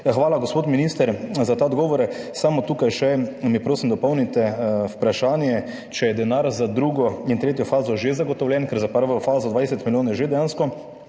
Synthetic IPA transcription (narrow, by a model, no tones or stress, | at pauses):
xʋaːlaɡospoːt̪minist̪ɛɾzat̪aːd̪ɡɔːʋɔɾɛsamɔt̪uːkajʃɛmipɾoːsimd̪ɔpɔwnit̪ɛwpɾaʃaːnjɛ | t͡ʃɛjɛd̪ɛnaɾzad̪ɾuɡɔint̪ɾeːt̪jɔfaːzɔʒezaɡɔt̪ɔwlʲjɛnkɛɾzapəɾʋɔfaːzɔd̪ʋaːd̪ɛsɛt̪miljoːnjɛʒed̪ɛjaːnskɔ